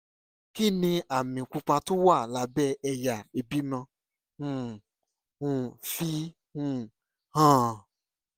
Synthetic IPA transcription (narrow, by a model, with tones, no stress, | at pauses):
ki˦˨nĩ˧ʔa˨mĩ˨ku˧k͡pa˧tũ˦wa˦˨la˨˦bɛ˦˨ɛ˧ja˨e˨bi˨˦mã˧ | ũ˦˧˨ | ũ˦˨fi˦ | hũ˦˨ | hã˦˨